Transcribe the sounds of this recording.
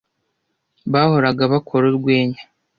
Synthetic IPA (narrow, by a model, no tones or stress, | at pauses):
βaːho̞ɾaɡaβakʰoɾoɾɡweːɲa